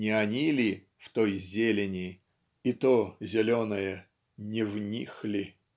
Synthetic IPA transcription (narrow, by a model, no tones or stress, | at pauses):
nʲɪɐnʲilʲɪ | ft̪ojzʲelʲɪnʲɪ | it̪ozʲɪlʲonəjə | nʲɪvnʲixlʲɪ